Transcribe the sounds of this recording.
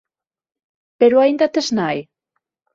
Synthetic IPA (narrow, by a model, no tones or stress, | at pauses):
peɾʊaind̪at̪eznaj